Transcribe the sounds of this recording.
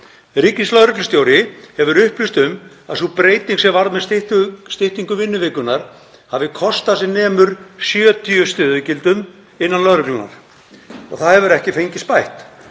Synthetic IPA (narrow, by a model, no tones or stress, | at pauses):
ɾiːkɪnslœðɾʏklʏst̪jowɾɪhɛvʏɾʏhplɪst̪ʏm | aðsupɾeːjt̪iŋksɛmvaɾðmɛðst̪ɪst̪ɪht̪iŋkʏvɪnːʏvɪːkʏnaɾ̥ | havɪkʰɔst̪asɪnɛːmʏɾ̥sjœːt̪ʰiʏst̪ʏːðʏcɪlt̪ʏm | ɪnːanlœðɾʏklʏnːa̰ɾ̥ | ɔ̰ɣθaðhɛvʏɾɛhcɪfejɲcɪspajht̪